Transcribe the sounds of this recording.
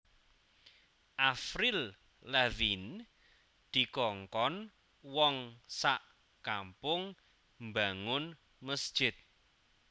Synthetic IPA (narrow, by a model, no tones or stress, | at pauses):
ʔafɾil | lɛvin | d̪̥i̤kɔŋkɔn | wɔŋsaʔ | kampʊŋ | mbaŋʊn | məsd̥ʒ̥ɪt̪̚